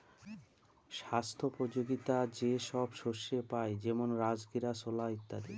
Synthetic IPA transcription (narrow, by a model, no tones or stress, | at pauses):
ʃast̪ʰopɾod͡ʑoɡit̪ad͡ʑeʃɔbʃoʃepaed͡ʑɛmonɾad͡ʑɡiɾasolaɦit̪ːad̪e